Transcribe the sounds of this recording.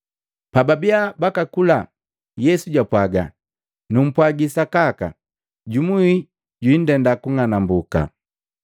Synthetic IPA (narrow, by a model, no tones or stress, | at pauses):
pababiabakakula | jɛsuɟwapwaɡa̰ | num̩pwaɡisakaka̰ | ɟumwui | ɟwin̩dɛndakuŋanambuka̰